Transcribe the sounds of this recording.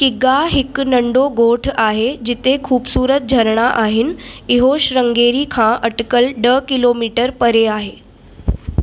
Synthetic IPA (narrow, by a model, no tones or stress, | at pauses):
kɪɡaɦɪknəɳɖoɡoːʈʰaɦed͡ʑɪt̪ekʰuːbsuːɾət̪̚d͡ʑʱəɾɽ̃aʔaɦɪniɦoɕɾəŋɡeɾikʰãʔəʈkəlɖəkɪloːmiːʈəɾpəɾeaːɦeː